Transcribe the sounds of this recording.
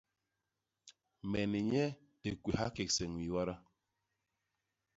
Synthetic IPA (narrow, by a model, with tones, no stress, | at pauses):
mɛ˨ni˨ɲɛ˦ | te˨kʷe˨ɦa˦ke˨ksɛ˨ŋwi˨wa˦ɾa˦